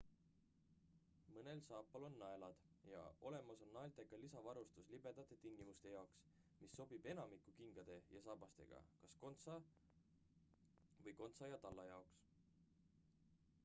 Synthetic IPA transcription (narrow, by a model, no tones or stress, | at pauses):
mɤne̞lsɑːpːˑɑlo̞nːɑe̞lɑd̪̥ | jɑ̰o̞le̞mɑso̞nːɑelt̪e̞ɡɑlisɑvɑɾust̪uslib̥e̞d̪̥ɑt̪ːˑet̪iŋɡ̥imust̪e̞jɑoks | misːo̞b̥ib̥e̞nɑmikːˑukiŋɡ̥ɑd̪̥e̞jɑs̬ɑbɑst̪e̞̰ɡ̥ɑ̰kɑsko̞nt̪sɑ | vɤjko̞nt̪sɑjɑt̪ɑlːɑjɑoks